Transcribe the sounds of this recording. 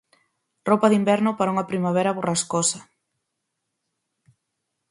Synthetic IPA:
ropɐðimbɛɾnʊpaɾauŋɐpɾimaβ̞ɛɾɐβoraskosɐ

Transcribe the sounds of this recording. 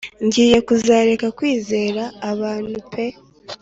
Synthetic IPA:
ɲɟiːje̞kuzaːɾe̞kakwiːze̞ːɾaːβaːnhupʰe̞

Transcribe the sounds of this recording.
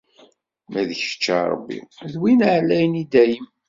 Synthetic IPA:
mæðəçə̥t͡ʃːa̰ɾˤə̰bːḭðwinʕlːæjnid̪æjəm

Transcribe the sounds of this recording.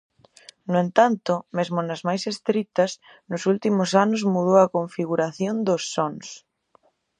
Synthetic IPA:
noent̪ant̪ʊmezmonɐzmajsest̪ɾit̪ɐs | nʊsult̪imʊsanʊzmuðowɐkoɱfiɣuɾaθjond̪osːɔns

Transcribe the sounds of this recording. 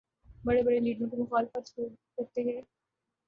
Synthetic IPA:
bɐɽebɐɽeliːɖɾõkimʊxaːlɪfət̪ʃo | kɐɾt̪eɦɛː

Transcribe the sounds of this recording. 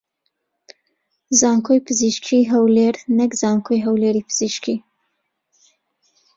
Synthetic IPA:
zɑŋkojpəziʃkʰiɦawleɾnekzɑŋkʰojɦawleɾipəz̥iʃkʰi

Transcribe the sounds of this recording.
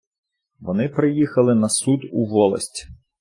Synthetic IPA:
ʋɔnɪpɾɪjixɐlˠɪnɐsud̪uʋɔlˠɐ̰sʲtʲi̥

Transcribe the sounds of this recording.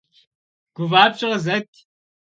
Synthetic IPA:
ɡ̥ʷʊvaːpɕʼɪʁəzɐt̪ʰʼ

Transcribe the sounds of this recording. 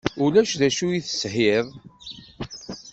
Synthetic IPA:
ulæʃðæʃujiθə̥shiðˤ

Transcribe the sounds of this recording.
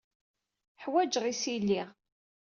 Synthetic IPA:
ħwæd͡ʒʁisilːiʁ

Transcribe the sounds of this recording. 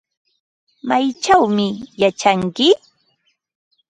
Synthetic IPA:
majt͡ʃawmɪjat͡ʃaŋkɪ

